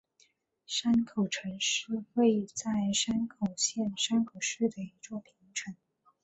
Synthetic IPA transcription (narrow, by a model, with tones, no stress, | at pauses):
ʂa˥nkʰo˨˩ʊʈ͡ʂʰə˧˥ŋʂɻ̩˥˧we˥˧ɪt͡sa˥˩ɪʂa˥nkʰo˨˩ʊɕjɛ˥˩nʂa˥nkʰo˨˩ʊʂɻ̩˥˩d̪ə˩i˧˥t͡swɔ˥˩pʰi˧˥ŋʈ͡ʂʰə˧˥ŋ